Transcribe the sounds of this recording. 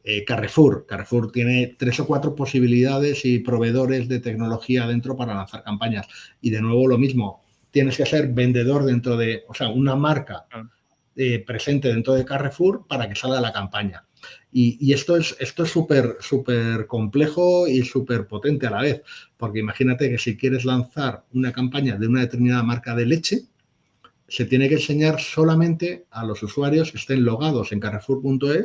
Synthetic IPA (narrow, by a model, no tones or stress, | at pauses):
ekarefuɾkarefuɾt̪je̞ne̞t̪ɾe̞so̞kwat̪ɾopo̞siβ̞iliðaðe̞sipɾo̞β̞e̞ð̞o̞ɾe̞zðe̞t̪e̞kno̞lo̞xiað̞e̞nt̪ɾo̞paɾalan̟θaɾkampaɲasiðe̞nwe̞βo̞lo̞mizmo̞ | t̪je̞ne̞skese̞ɾβe̞nd̪e̞ð̞o̞ɾð̞e̞nt̪ɾo̞ð̞e̞ose̞aunamaɾka | epɾe̞se̞nt̪̬e̞ð̞e̞nt̪ɾo̞ðe̞kare̞fuɾpaɾake̞̥salɣalakampaɲa | iie̞st̪o̞ese̞st̪o̞esːupe̞ɾsupe̞ɾko̞mple̞xo̞isupe̞ɾpo̞t̪ent̪e̞alaβe̞θpo̞ɾke̞imaχinat̪e̞ke̞sikje̞ɾe̞zlanθaɾunakampaɲaðeunaðe̞t̪e̞ɾmĩnaðamaɾkaðe̞le̞t͡ʃe̞ | se̞t̪je̞ne̞kense̞ɲaɾso̞lamẽnt̪e̞alo̞suswaɾjo̞ske̞st̪e̞nlo̞ɣ̞að̞o̞se̞ŋkare̞fuɾpunt̪o̞e̞s